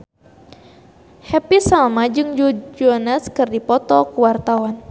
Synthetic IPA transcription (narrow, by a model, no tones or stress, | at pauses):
hɛpisalmad͡ʒɨŋd͡ʒud͡ʒɔnaskɨrdipɔt̪ɔkuwart̪awan